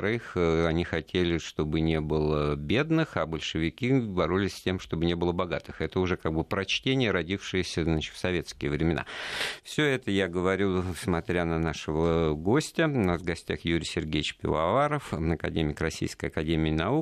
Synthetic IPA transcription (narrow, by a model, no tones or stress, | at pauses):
ɾɨxɐnʲixɐtʲʰelʲɪʂt̪o̞bɨnʲe̞bɨlˠəbʲe̞d̪nɨxabəlʲʂɨvʲɪkʲibɐɾolʲɪsʲsʲtʲe̞mʂt̪o̞bɨnʲe̞bɨlˠəbɐɡat̪ɨxɛt̪əʊʐɛkaɡ̚bɨpɾɐt͡ɕtʲenʲɪjəɾɐdʲifʂɨjɪsʲəznat͡ɕɪt̪fsɐvʲe̞t̪skʲɪjəvɾʲɪmʲɪna̰fsʲɵɛt̪əjaɡəvɐɾʲusmɐt̪ɾʲanənaʂɨvəɡo̞sʲtʲənasvɡɐsʲtʲaxjuɾʲɪsʲɪrɡʲejɪt͡ɕpʲɪ̰vɐ̰vaɾəfɐkɐ̰dʲemʲɪkrɐsʲḭjskəjɐkɐdʲemʲɪːnɐu